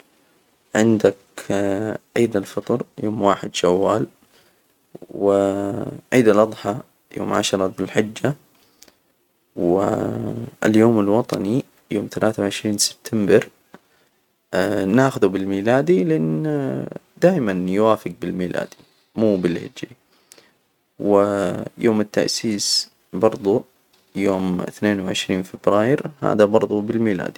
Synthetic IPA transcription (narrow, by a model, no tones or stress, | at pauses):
ʕɪnd̪ak | ʕiːd̪alfɑt̪ˤɾjoːmwaːħɪd̪ʃawːaːl | wɪʕiːd̪alʔɑd̪ˤħɑ | jo̰ːmʕa̰ʃɑɾˤɑbɪlħɪd͡ʒːa | wɪ̰ | ɪ̰ljoːmalwɑt̪ˤɑ̰ni | joːmθalʔaːθawʕɪʃɾiːnsɪ̥b̥̚t̪ʰambɪɾ | naːxʊðubɪlmiːlaːd̪ilʔan | d̪aːʔɪmanjwaːfɪɡ̚bɪlmiːlʔa̰ːd̪i | muːbɪlhɪ̰d͡ʒɾi | wɪjʔoːmɪt̪ːa̰ʔsiːs | bɑɾˤd̪ˤu | joːmɪ̰θneːnwʕɪʃɾiːnfɪbɾaːjɪɾha̰ːðabɑɾˤðˤubɪlmiːla̰ːd̪i